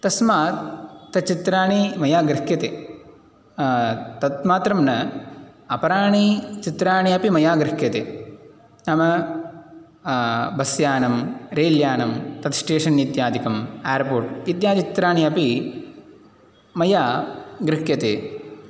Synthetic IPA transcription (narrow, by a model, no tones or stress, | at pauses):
t̪ɐsmaːt̪ːɐt͡ʃit̪ɾaːɳimɐjaːɡɾkjɐt̪eː | t̪ɐt̪maːt̪ɾɐmnɐ | ɐpɐɾaːɳit͡ʃit̪ɾaːɳiɐpimɐjaːɡɾɪkjɐt̪ḛː | nɐmɐ | bɐsjaːnɐmɾeːljaːnɐmt̪ɐt̪sʈeːʂɐnjid̪jaːd̪ikɐmeːɾpoːɾʈid̪jaːt̪it͡ʃt̪ɾaːɳiɐpi | mɐjaːɡɾɪkjɐt̪ḛː